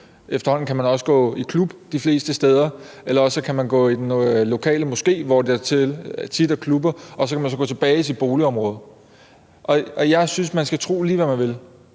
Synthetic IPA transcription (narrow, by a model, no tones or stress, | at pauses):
ʔefd̥ɐhɒ̽n̰̩kʰæmænɒ̽sə̥ɡ̥ɔ̰̽ːikʰlub̥d̥ifle̝̰ːsd̥əsd̥eːð̞ˠɐ | elɐɒ̽səkʰæmænɡ̥ɔ̰̽ːid̥enlo̝kʰɛ̰ːləmo̽sɡ̥e̝̰ːʋɒd̥eæɐt͡sʰe̝lt͡sʰid̥ækʰlub̥ɐɒ̽sɒkʰæmænsɒ̽ɡ̥ɔ̰̽ːt͡sʰeb̥ɛːis̬id̥̚b̥o̝ːliɒ̽mʁɔ̽ːð̞̩ˠ | ʔɒ̽ɒ̽jɑ̈ɪsynsmænsɡ̥æt͡sʰʁo̝̰ːliːʋæmænʋe̝l